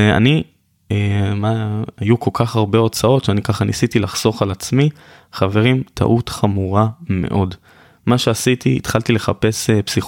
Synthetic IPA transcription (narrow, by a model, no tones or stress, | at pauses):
a̰ni | maajuko̞lkʰaχaʁbe̞o̞t͡sao̞tʃeanikaχanisit̪ilaχso̞χalat͡smi | χave̞ʁimtʰa̰ʔut̪χamuʁame̞̰ʔo̞d | maʃe̞asit̪iḭt̪χaltile̞χape̞sepsi